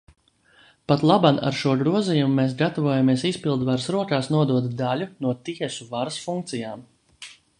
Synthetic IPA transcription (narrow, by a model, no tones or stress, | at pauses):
pat̪lˠabana̰ɾʃuɔɡɾuɔzijumumeːs̬ɡat̪avuɔjamiɛsispilˠd̪vaɾsɾuɔkaːsnuɔd̪uɔd̪d̪alʲunuɔt̪iɛsuvaɾsfuŋk̚t̪sijaːm